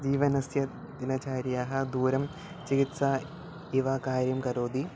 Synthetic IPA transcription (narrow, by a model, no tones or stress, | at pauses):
d͡ʒiːʋɐnɐsjɐ | d̪inɐt͡ɕaːɾjaːɦɐ̆d̪uːɾɐm | t͡ʃiɡit̪saː | iʋaːkaːɾjɐmkɐɾoːd̪i